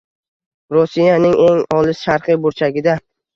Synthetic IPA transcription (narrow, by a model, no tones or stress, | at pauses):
ɾosijanɪŋʔe̞ŋɒlˠɪsʃaɾqɨjbʊɾt͡ʃʰaɡʲɪd̪a